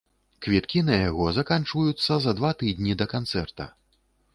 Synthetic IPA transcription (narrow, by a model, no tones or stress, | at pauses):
kvʲit̪kʲinɐjaɣɔzɐkant͡ʂvɐjut̪sːɐzɐd̪vat̪ɨd̪ʲnʲid̪ɐkant̪sɛrt̪ɐ̰